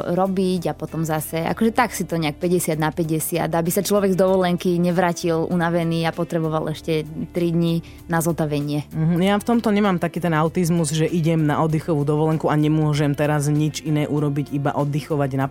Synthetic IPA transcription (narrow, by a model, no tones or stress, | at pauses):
ɾɔbiɟapɔt̪ɔmzasɛa̰kɔʒɛt̪aksit̪ɔɲɛak̚pɛɟɛsɪad̪napɛɟɛsɪa̰d̪abisat͡ʃlɔʋɛɡzd̪ɔʋɔlɛŋkiɲɛʋɾaːcilʔṵnaʋɛniːapɔt̪ɾɛbɔʋalɛʃcɛt̪ɾid̪ɲi | nazɔt̪aʋɛɲɪɛɦ̩jaft̪ɔmt̪ɔɲɛmaːmt̪akiːt̪ɛnaʊt̪izmuzʒɛʔiɟɛmna̰ɔd̪ixɔʋuːd̪ɔʋɔlɛŋkuaɲɛmʊɔʒɛmt̪ɛɾazɲit͡ʃinɛːʔuɾɔbiɟiba̰ʔɔd̪ːixɔʋaɟna